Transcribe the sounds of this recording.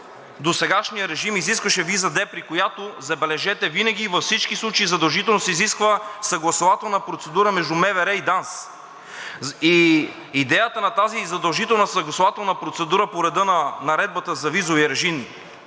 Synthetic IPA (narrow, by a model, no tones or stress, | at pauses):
d̪osɛɡaʃnijəɾɛʒimiziskvəʃɛvizɐd̪ɛpɾikojat̪ozɐbɛlɛʒɛt̪ɛvinɐɡ̟ivɐfsit͡ʃkislˠut͡ʃeizɐd̪ɐlˠʒit̪ɛlˠnosɛiziskvəsɐɡlˠɐsovat̪ɛlˠnəpɾot̪sɛd̪uɾəmɛʒd̪umɛvɛɾɛid̪ans | i | id̪ɛjət̪ənɐt̪azizɐd̪ɐlˠʒit̪ɛlˠnəsɐɡlˠɐsovat̪ɛlˠnəpɾot̪sɛd̪uɾəpoɾɛd̪ənnɐɾɛd̪̚bət̪əzɐvizoviəɾɛʒim